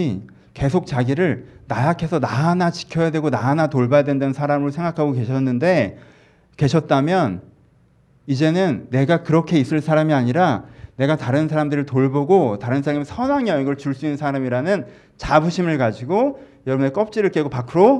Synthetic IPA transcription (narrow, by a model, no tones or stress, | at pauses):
ke̞sʰok̚t͡ɕaɡiɾɯɭnajakʰe̞sʰʌnanat͡ɕi̥kʰjʌjadwe̞ɡonanatoɭbajadwe̞ndwensʰaɾamɯosʰe̞ŋɡakʰaɡoke̞ɕʰʌnːɯnde̞ | ke̞ɕʰʌt̚t͈amjʌn | id͡ʑe̞nɯnːe̞ɡakɯɾʌkʰe̞is͈ɯɭsʰaɾamiaɲiɾane̞ɡataɾɯnsʰaɾamdɯɾɯɭtoɭboɡotaɾɯnsʰaɾamisʰʌnaŋjʌiɡʌɭt͡ɕuɭs͈uinːɯnsʰaɾamiɾanɯn | t͡ɕabuɕʰimɯɭkad͡ʑiɡojʌɾʌbunek͈ʌp̚t͡ɕ͈iɾɯɭk͈e̞ɡopakʰɯɾo